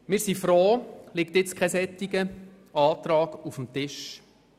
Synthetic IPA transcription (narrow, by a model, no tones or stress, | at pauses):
mɪːɾsifɾoːlɪkt̪ɪt͡skʰχɛsɛt̪ːiɡə | ɑːt̪ɾɑːɡ̥ufəmt̪ɪʃ